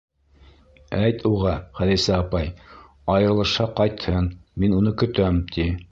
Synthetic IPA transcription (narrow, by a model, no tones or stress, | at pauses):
æjt̪ʰuʁɑχæðisæɑpɑj | ɑjɤ̆ɾɤ̆lˠɤ̆ʃɑqɑjt̪hɤnminunɤkɵ̆t̪æmt̪ʰi